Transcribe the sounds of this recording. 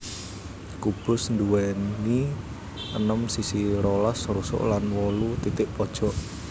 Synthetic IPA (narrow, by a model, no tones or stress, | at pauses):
kub̥ʊ̤snd̪uwɛni | ʔənəmsisiɾɔlɔsrusʊ̰ʔlanwɔlut̪it̪ɪʔpɔd̥ʒ̥ɔʔ